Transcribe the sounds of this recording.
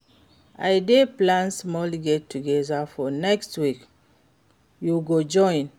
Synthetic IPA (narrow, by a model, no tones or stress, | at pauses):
ajdeplãnsmɔlɡɛtːuɡɛzafɔnɛkstwik | juɡod͡ʒɔ̃j̃n